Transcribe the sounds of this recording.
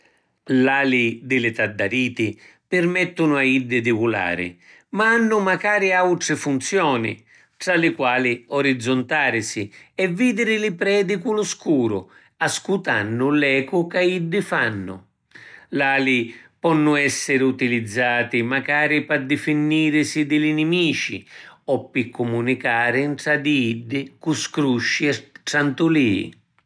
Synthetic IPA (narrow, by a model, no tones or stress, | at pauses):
laːlid̪ɪlɪt̪ad̪ːaɾiːt̪ɪ | pɪrmɛt̪ːʊnʊaid̪ːɪd̪ɪvula̰ːɾɪ̰ | maanːʊmakaːɾɪawt̪ɾɪfunt̪sjɔːnḭ | ʈ̪ɾalɪkwaːliɔɾid̪zːʊnt̪aːɾɪsiɛvːiːd̪ɪɾɪlɪpɾɛːd̪ɪkulʊskuːɾʊ̰ | askut̪anːʊlɛːkʊkaid̪ːɪfanːʊ̰ | laːlipɔnːʊɛsːɪɾɪut̪ilid̪zːaːt̪ɪmakaːɾɪpad̪ɪfinːiːɾɪsid̪ɪlɪnɪmiːt͡ʃḭɔpːɪkʰːumunikaːɾɪnʈ̪ɾad̪iid̪ːɪkuskɾuʃːiɛʈɾant̪uliːḭ